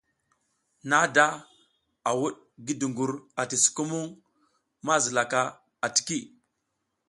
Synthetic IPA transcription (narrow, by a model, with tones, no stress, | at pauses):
na˦da˦ | a˨wu˦ɗ | ɡi˦du˨ŋɡu˨ɾa˨ti˨su̥˨ku˦mu˦ŋ | ma˦zi˨la˨ka˦ | a˨ti̥˨ki˦˨